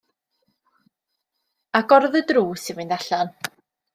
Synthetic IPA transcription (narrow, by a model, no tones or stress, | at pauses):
aɡɔrðədruːsɪnvɪndaɬan